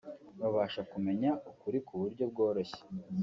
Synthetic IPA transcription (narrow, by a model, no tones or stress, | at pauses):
βaβaːʃakume̞ɲaukuɾikʰuβuɾɟo̞bɡo̞ːɾo̞çe̥